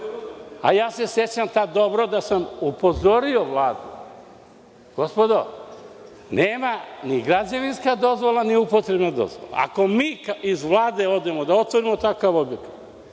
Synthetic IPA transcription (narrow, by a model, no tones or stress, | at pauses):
a̰jaːse̞sjet͡ɕamt̪ad̪o̞bɾod̪asamupo̞zo̞ɾio̞ʋlˠaːd̪u | ɡ̥o̞spo̞d̪o̞ | neːmaniɡɾad͡ʑaʋinskad̪o̞zʋo̞lˠaniupot̪ɾebnad̪o̞̰zʋo̰la̰a̰ko̞miːkaizʋlaːd̪e̞o̞d̪e̞mo̞d̪ao̞t̪ʋoɾimot̪akaʋo̞bjekat̪